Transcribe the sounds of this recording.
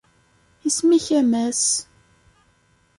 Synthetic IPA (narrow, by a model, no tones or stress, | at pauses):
ismiçæmæs